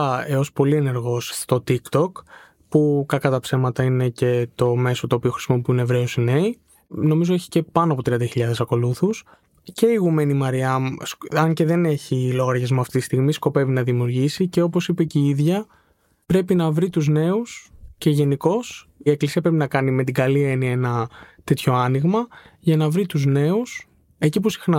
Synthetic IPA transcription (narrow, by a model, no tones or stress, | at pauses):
eo̞spo̞lie̞ne̞ɾɣo̞st̪o̞t̪ikt̪o̞k | pukɐkɐt̪ɐpse̞mɐt̪ɐine̞ce̞t̪o̞me̞so̞t̪oːpio̞xɾi̥simop̬uinevɾe̞osine̞i | no̞mizo̞e̞çi̥ce̞pɐnoɐpot̪ɾiɐnd̪ɐçiʎɐðesɐko̞luθus | ce̞iɣume̞nimɐɾiɐmsɐɲce̞ðe̞ne̞çilo̞ɣɐɾʝɐzmuɐft̪it̪i̥st̪iɣmisko̞pe̞vinɐðimiuɾʝisice̞o̞posipeceiðʝɐ | pɾe̞pinɐvɾit̪uzne̞usce̞ʝe̞niko̞sie̞klisiɐpɾe̞pinɐkɐnime̞t̪̬iɡɐlie̞niɐenɐt̪e̞t̪ço̞ɐniɣmɐʝɐnɐvɾit̪uzne̞us | e̞cipusi̥xnɐ